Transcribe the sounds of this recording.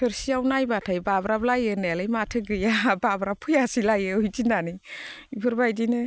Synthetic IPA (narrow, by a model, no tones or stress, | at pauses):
pʰɯɾsiawnajbatʰajbabɾablajɯnelajmatʰɯɡɯjababɾapʰujasilajɯujtinani | ibʰɯɾbajdinɯ